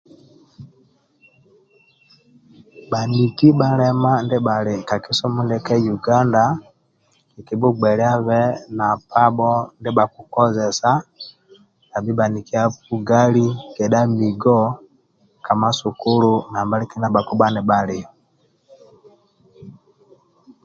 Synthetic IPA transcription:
ba˨ni˨ki˦ba˦lɛ˦ma˦ndɛ˦ba˨lɛ˨ka˨ki˦sɔ˦mu˦ndɛ˦kɛ˦ju˨ɡa˦nda˨ | ki˨ki˨bu˦ɡ͡bɛ˨lɛ˦a˦βɛ˦na˨pʰa˦bɔ˦ndɛ˦ba˨ku˨kɔ˦zɛ˨sa˦ | na˨bi˦ba˨ni˨ki˦a˦fu˨˦ɡa˦li˦kɛ˨ɗa˦mi˨ɡɔ˦ | ka˨ma˦su˨ku˦lu˦na˨mba˦li˦ki˦na˦ba˨ku˦ba˦nɛ˨ba˦le˨ɔ

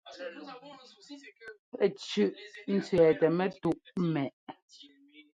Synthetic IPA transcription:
pɛ˨t͡ʃʉ˦˨ʔn̩˦t͡sɥɛː˨tɛ˨mɛ˦tu˦˨ʔm˦mɛ˨ʔ

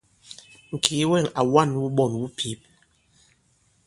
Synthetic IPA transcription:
ŋ̩˨kʰi˨˦wɛ˦˨ŋa˨wa˦˨nwu˦ɓɔ˦˨nwu˦pʰi˨˦p̚

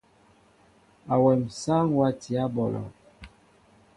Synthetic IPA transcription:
a˨wɛ˨msa˦ŋwa˦ti˨a˦bɔ˨lɔ̰˨

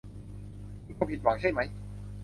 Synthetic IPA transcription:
kʰɔ˧mpʰi˨˩t̪̚waː˨˩˦ŋt͡ɕa˥˩jma˦˥j

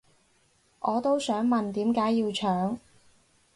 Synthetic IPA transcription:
ʔɔː˨˧t̪o˥wsœː˨˥ŋmɐ˨nt̪iː˨˥mkaː˨˥jːiː˧wt͡ʃʰœː˨˥ŋ

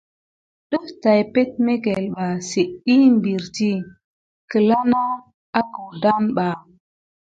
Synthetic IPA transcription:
ɗə˦ta˨jpe˦t̚me˦ɡe˨lɓa˨se˨ʔi˦mbi˨ɾti˦ | kə˨la˦na˦ | a˦ku˨wda˦mɓa˨

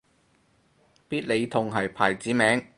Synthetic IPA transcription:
piː˥t̚le˨˧jt̪ʰʊ˧ŋɦɐ˨jpʰa̰ː˨˩jt͡siː˨˥mɛː˨˥ŋ

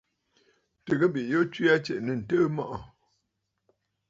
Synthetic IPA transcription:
tə˨ɡə˦bi˨ʔjo˦t͡ʃwi˦a˦t͡ʃɛ˨ʔnə˨n̩˨tə˦mɔ˦ʔɔ˨

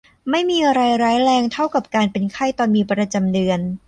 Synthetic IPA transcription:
ma˥˩jmiː˧ɾa˧jɾaː˦˥jɾɛː˧ŋt̪ʰa˥˩wka˨˩p̚kaː˧npe˧nkʰa˥˩jt̪ɔː˧nmiː˧pɾa˧t͡ɕa˧mdɯ˧ən

